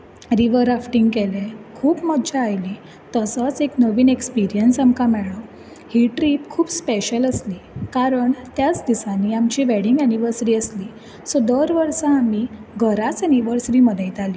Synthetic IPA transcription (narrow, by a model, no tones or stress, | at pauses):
ɾiʋəɾafʈĩŋɡkelẽkʰuːpməd̪d͡ʑaajli | t̪əsət͡seknəʋiːnekspiɾijənsamkamɛɭə | hiʈɾiːpkʰuːpspeɕələsliːkaɾəɳt̪jat͡sd̪isãnːiamt͡ɕiʋɛɽiŋɡæniʋəɾsəɾiːəsli | sod̪əɾʋəɾsaːmiɡəɾat͡səniʋəɾsɾiməd̪ʱet̪ali